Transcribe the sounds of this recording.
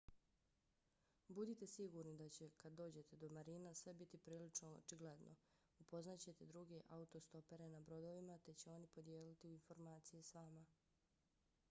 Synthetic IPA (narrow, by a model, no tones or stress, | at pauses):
bud̪it̪esiɡuɾnid̪at͡ɕe̞kad̪dːo̞ːd͡ʑe̞t̪e̞d̪o̞maɾinasʋe̞bit̪ipɾiːlit͡ʃnoo̰t͡ʃiɡled̪nʔo̞̰ | upo̞znat͡ɕe̞t̪e̞d̪ɾuɡe̞ʔaut̪ost̪o̞pe̞ɾenabɾo̞d̪o̞ʋimat̪e̞t͡ɕe̞o̞nipo̞d̪jeːlit̪iuinfo̞ɾmaːt̪sijesʋaːma